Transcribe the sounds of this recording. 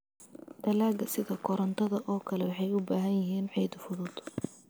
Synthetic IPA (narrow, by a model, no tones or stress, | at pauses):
d̪ɐlaːɡɐsɪðɐkʰɔɾɐnt̪ʰɐðɐʔɔːkʰɐlɛwɑħɑjʊbaːɦɐjjɐɦiːnʕɛjd̪fʊðʊd̪